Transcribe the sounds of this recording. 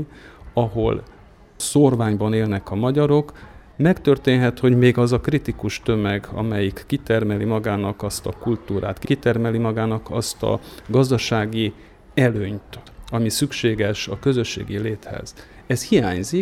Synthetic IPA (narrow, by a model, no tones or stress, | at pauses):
ɒɦo̞̰l | sorvaːɲbɒneːlnɛkɒmɒɟɒɾo̞k | mɛkt̪ørt̪eːnɦɛt̪ho̞ɟmeːɡɒzɒkrit̪ikuʃt̪ø̞mɛɡɒ̰mɛjikːit̪ɛrmɛlimɒɡaːnɒkɒst̪ɒkult̪uːɾa̰ːt̪kkit̪ɛrmɛlimɒɡaːnɒkɒst̪ɒ̰ɡɒzd̪ɒʃaːɡi | ɛløːɲt̪ɒmisykʃeːɡɛʃɒkø̞zø̞ʃːḛːɡileːt̪hɛ̰z̥ | ɛshijaːɲzi